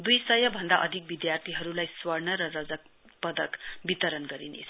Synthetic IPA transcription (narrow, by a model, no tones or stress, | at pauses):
d̪ujsʌjʌbʱʌnd̪aʔʌd̪ʱik̚bid̪jart̪ʰiɦʌɾulajswʌɽnʌɾʌrʌd͡zʌk | pʌd̪ʌkbit̪ʌɾʌnɡʌɾinḛt͡sʰʌ